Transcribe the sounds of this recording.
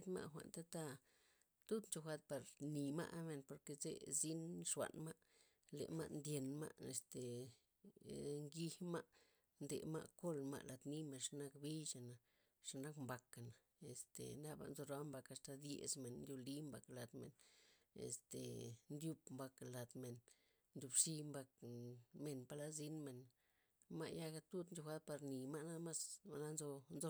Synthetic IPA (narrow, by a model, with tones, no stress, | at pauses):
t̪ma̰˧ʔxʷa̰˨nt̪a˦t̪a˦ | t̪u˦d̪nt͡ʃo˧xʷa˧t̪̚pa˧ɾni˨ma̰˦ʔme˨npo˨ɾke˧zḛ˦zi˦nʂwa̰˨nma˦ʔ | lḛ˨ma̰˧ʔnd̪je˧nma̰˦ʔe˨st̪e˨ | ŋɡi˧ma˦ʔ | nd̪ḛ˨ma̰˦ʔko˦lma̰˧ʔla˨d̪ni˦me˧nʂa˧na˦kbi˦ʃa˨na˨ | ʂa˧na˦kmba˨ka˨na˨ | e˨st̪ḛ˨na˦ba̰˧nzo˧ɾa˦mba˧ka˧st̪a˧d̪jḛ˧˨zme˨nnd̪ʲju˧li˦mba˨kla˨d̪mḛ˨nḛ˨st̪ḛ˨nd̪ju˧bmba˧kla˨d̪me˨n | nd̪ʲu˨˧bʂi˧mba˧k̚me˨npa˧la˦zi˦nme˨n | ma̰˧ʔja˦ɡa˧t̪u˦d̪nd͡ʒo˧xa˦d̪̚pa˧ɾni˨ma˦na˦ma˦sba˨na˦nzo˧nzo˧